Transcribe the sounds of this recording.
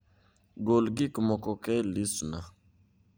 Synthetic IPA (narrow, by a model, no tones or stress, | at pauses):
ɡolɡikmɔkɔkɛlisuna